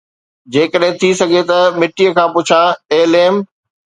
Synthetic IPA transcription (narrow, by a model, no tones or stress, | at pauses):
d͡ʑeːkəɗɦɪ̃t̪ʰisɐɡʱet̪ɐmɪʈijəkʰãːpʊt͡ɕʰaeːleːm